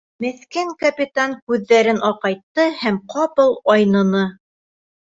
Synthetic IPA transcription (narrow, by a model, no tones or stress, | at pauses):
mæθkæŋkɐpʲit̪aŋkʉðːæɾɘnʔɒqɑjt̪ːɤhæmqʰɑpɤlˠɒjnɤ̆nɤ